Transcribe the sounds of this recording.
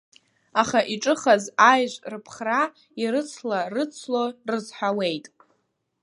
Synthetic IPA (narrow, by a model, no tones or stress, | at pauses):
aχaʔiʈ͡ʂʼɨχazajʒʷrɨpʰχra | iɾɨt͡sʰlarɨt͡sʰlorɨzħʷᶣawe̞jtʼ